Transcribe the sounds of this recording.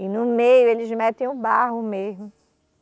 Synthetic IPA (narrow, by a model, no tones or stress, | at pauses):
ɪnʊmejʊelɪzmɛt̪ẽj̃ʊbaɦʊmezmʊ